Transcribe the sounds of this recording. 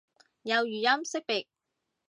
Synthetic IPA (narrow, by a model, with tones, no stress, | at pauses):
jɐ˨˧wjyː˨jɐ˥msɪ˥k̚pɪ˨k̚